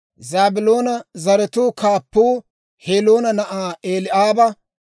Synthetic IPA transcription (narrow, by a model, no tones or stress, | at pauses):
zaːbɪloːnɐzɐɾɛt̪uːkʰaːpːuː | heːloːnɐnɐʔaːeːlɪʔaːbɐ